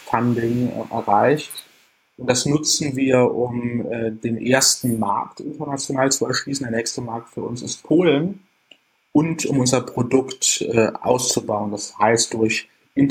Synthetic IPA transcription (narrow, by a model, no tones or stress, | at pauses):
fandɪnʔɛ̰ɐʁaɪçt | ʔʊntd̥asnʊt͡sn̩viːɐʔʊmːdeːnʔeːɐstn̩ma̰ɐktʔɪ̰ntɛnat͡sjonaːlt͡suɛɐʃliːsn̩deːɐnɛːçstəmaɐk̚tfyːɐʔʊnsɪst̚pʰoːln | ʔʊntʊmʔʊnzɐpʁ̥odʊktʔɛʔa̰ʊst͡subaʊəndashaɪst̚d̥ʊɐç | ʔɪn